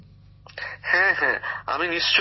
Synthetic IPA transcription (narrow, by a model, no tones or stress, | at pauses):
hɛ̃ɦɛ̃a̰ɪmĩnɪst͡ʃ